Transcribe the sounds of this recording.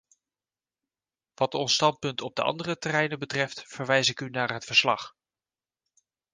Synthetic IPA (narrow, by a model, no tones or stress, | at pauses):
ʋɑtɔnstɑnt̚pɵntʰɔb̚dəʔɑ̰ndərətɛrɛjnəbətrɛftfəɹʋɛjzɪkynaːɹɦətfəɹslɑ̰χ